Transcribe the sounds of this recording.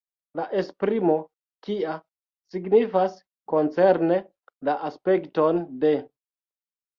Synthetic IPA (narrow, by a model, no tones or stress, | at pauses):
laʔe̞spɾimo̞ | kia | siɡnifas | ko̞nt͡se̞ɾne̞ | laʔaspe̞kto̞nde̞